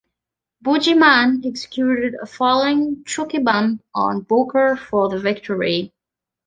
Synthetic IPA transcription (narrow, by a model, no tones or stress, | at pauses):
bud͡ʒimãnɛksɨ̥kʰj̥uɾɨɾə̰fɔlˠoɪ̃ŋt͡ʃʰɹʊkibʌ̃mpn̩bokə˞fə˞ðəvɪk̚tʰə˞i